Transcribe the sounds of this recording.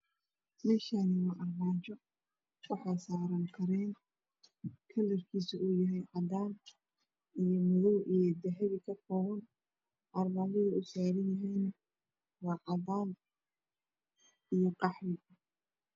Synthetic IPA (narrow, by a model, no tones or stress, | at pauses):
mɛːʃaːnɪmʊʔɐrmaːt͡ʃɔ | wɑħɑjsaːɾɐŋkʰɐɾɛːn | kʰɐlɪrkʰiːsɐʔuːjɐɦɛjʕɑd̪aːn | ijɔmʊðɔwʔijɔd̪ɛɦɛβɪkʰɐfɔːɣɐn | ʔɑrmaːt͡ʃɪðɐʊsaːɾɐnjɐɦɛjn | wɑːʕɑðaːn | ijɔqɑħɾɪ